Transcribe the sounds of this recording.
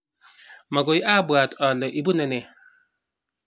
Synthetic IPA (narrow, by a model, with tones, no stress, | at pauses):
mɔ˨ɡo˨ji˦ʔa˦˨bwa˨tɔ˨lɔ˨ʔi˨bu˦nɛ˦˨ne˨